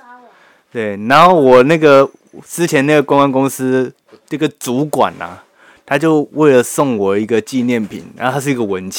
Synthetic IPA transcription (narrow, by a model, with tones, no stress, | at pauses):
t̪we˥˩ɪna˧˥nxo˥˩ʊwɔ˨˩na˥˩ɡə˨˩ | t͡sɹ̩˥t͡ɕʰjɛ˧˦na˥˩ɡə˩kʊ˥ŋa˦nkʊ˥ŋsɹ̩˥ | na˥˧˩ɡə˩t͡su˨˦kwa̰˨˩nɐ̰˩ | t̪ʰa˥t͡ɕjo˥˧ʊwe˥˩ɪlə˩sɔ˥˩ŋwə˨˩i˧˥ɡə˧t͡ɕi˥˧njɛ˥˩npʰḭ˨˩nna˧˦o˥˧t̪ʰa˥ʂɻ̩˥˩˧ɡə˨wə˨˦nt͡ɕ